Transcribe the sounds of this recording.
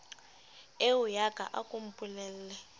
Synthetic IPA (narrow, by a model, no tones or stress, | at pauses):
eujaɡʼʱa̰ʔakʼum̩pʼulɛl̩lɛ